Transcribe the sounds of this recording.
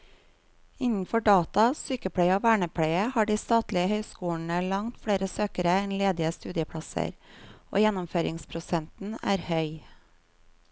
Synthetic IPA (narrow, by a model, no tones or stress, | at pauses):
ɪnn̩fɔɖɑːt̪ɑsyːkəpʰɽeɪəoːʋæːɳəpʰɽeɪəhɑːɖiːst̪ɑːt̪lɪəhœʏskuːɳ̩əlɑŋt̪fɽeːɾəsøːkəɾəɛnleːd̪ɪəst̪ʉːd̪ɪəpʰɽɑsə̰ɾʔo̰ːjɛnɔmføːɾɪŋspʰɾʊsɛnt̪n̩æ̰ːɾhœʏ